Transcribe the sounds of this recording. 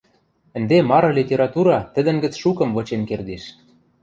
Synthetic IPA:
ɘ̆nd̪emɑɾɤ̆lʲitʲeɾɑt̪uɾɑt̪ɘ̆d̪ɘ̆nɡɘ̆t͡sʃukɤ̆mvɤ̆t͡ɕenkerd̪iʃ

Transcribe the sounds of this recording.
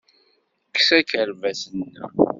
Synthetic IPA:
ksækəɾvæsənːæ̰

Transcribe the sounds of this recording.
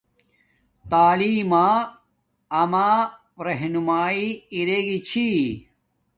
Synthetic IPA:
t̪aːliːmaː | ɐmaː | ɾeɦnumaːiiɾeɡit͡ɕʰi

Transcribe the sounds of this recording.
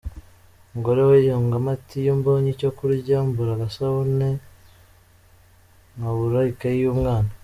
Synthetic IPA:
ŋɡoɾewejoŋɡamatʰijuːmboːɲicokuɾɟambuɾaɡasaβone | ŋaβuɾaikaijumŋaːna

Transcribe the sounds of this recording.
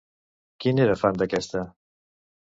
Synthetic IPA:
kiniɾafand̪akʲɛst̪a

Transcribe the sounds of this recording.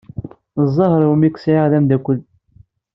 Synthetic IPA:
zˤːɑhəɾˤwmikːsʕɪʁðæmd̪ækʷəl

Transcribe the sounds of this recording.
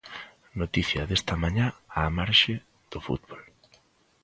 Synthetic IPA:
not̪iθjɐðest̪ɐmãɲaaːmaɾʃɪ | ð̥ʊfṵt̪bol

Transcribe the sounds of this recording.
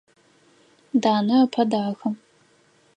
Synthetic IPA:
daːnɐɐpʰɐdaːxɐm

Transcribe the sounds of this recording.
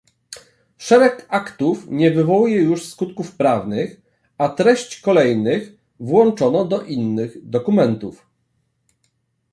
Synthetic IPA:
ʂɛɾɛkakt̪ufɲɛvɘvɔwujɛjuʂskut̪kufpɾavnɘx | at̪ɾɛɕt͡ɕkɔlɛjnɘx | vwɔnt͡ʂɔnɔd̪ɔʔinːɘɣd̪ɔkumɛnt̪uf

